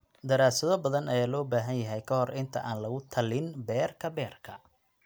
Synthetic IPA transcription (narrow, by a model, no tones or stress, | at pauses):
d̪ɐɾaːsɐðɔbɐðɐnɐjaːlɔːbaːɦɐnjɐɦɛjkʰɐhɔrɪnt̪ʰɐ̰ʔaːnlɐɣʊt̪ʰɐlɪnbɛːrkʰɐbɛːrkʰɐ